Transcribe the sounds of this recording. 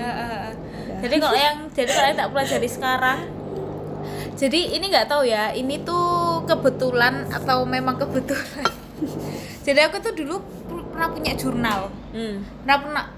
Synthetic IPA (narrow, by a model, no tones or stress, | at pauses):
əʔəʔə | d͡ʒadikɔʔjaŋd͡ʒ̥adikalait̪aʔpulḁd͡ʒaɾisə̥kaɾaŋ | d͡ʒ̥adiiniŋɡaʔt̪aujainit̪ukəbə̤t̪ulana̰t̪awmemaŋkəb̥ət̪ulan | d͡ʒ̥adiakut̪udulu | ppənapuɲaʔʒ̥urnal̩ | pnapənaʔ